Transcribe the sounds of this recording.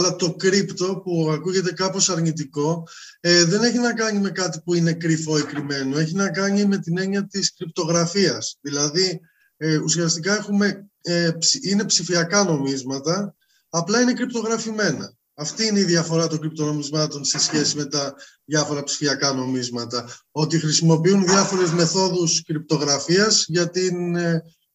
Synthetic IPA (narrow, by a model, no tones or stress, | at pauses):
ɐlɐt̪o̞kɾipt̪o̞puɐkuʝe̞t̪̬e̞kɐpo̞sɐɾɲit̪̬iko̞ | ðe̞ne̞çinɐkɐɲime̞kɐt̪ipuine̞kɾifo̞ikɾime̞noe̞çinɐkɐɲime̞t̪ine̞ɲɐt̪iskɾip̚t̪o̞ɣɾɐfiɐsðilɐði | usjɐst̪ikɐe̞xume̞epsine̞psifiɐkɐno̞mizmɐt̪ɐː | plɐine̞kɾip̚t̪o̞ɣɾɐfime̞nɐ̰ː | ft̪iineiðʝɐfo̞ɾɐt̪o̞ŋɡɾip̚t̪o̞no̞mizmɐt̪o̞nsesçe̞sime̞t̪ɐ | ðjʝɐfo̞ɾɐpsi̥fiɐkɐno̞mizmɐt̪ɐo̞t̪ixɾisimo̞piunðʝɐfo̞ɾezme̞θo̞ðuskɾip̚t̪o̞ɣɾɐfiɐzʝɐt̪in